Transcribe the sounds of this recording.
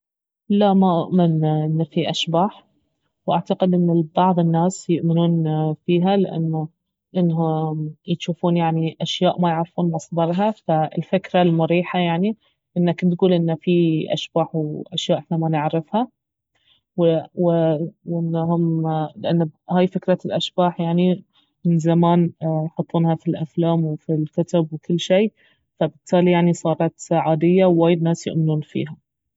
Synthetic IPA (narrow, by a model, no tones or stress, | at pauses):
laʔmaʔʊʔmɪnʔɪnːafiʔaʃbaːħ | wʔaʕt̪aqɪd̪ʔɪnːɪbɑʕðˤɪnːaːsjʊʔmɪnuːnfiːɦalɪʔa̰nːa | ʔɪnːɦʊj̪ʃuːfuːnjaʕniʔaʃjaːʔmajɪʕɾfuːnmɑsˤd̪ˤɑɾˤɦafaɪ̰lfɪkɾalmʊɾiːħajaʕni | ʔɪnːakɪt̪ɡuːlʔɪnːafiʔa̰ʃbaːħwʔa̰ʃjaːʔɪħnamanɪʕɾɪfha | wɪwɪʔɪnːɦʊmlɪʔanːhaːjfɪkɾˤalʔaʃbaːħjaʕni | mɪnzamaːnjħʊt̪ˤːuːnhafilʔaflaːmwɪfilkʊt̪abwɪkʊlːʃeː | fabɪt̪ˤːaːlijaʕnisˤɑːɾˤɑt̪ʕaːd̪ɪjːawwaːjɪd̪naːsjʊ̰ʔmɪnuːnfḭːɦa